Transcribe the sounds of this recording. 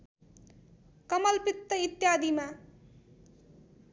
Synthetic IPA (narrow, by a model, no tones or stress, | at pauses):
kʌmʌlpit̪ːʌit̪jad̪ima